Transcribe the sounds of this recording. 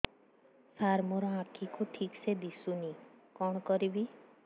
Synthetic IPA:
saɾmɔɾɔãkʰikuʈʰiksed̪isunikɔɽ̃ɔkɔɾibi

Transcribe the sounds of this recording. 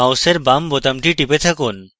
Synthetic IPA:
awseɾbambot̪amʈiʈipet̪ʰakun

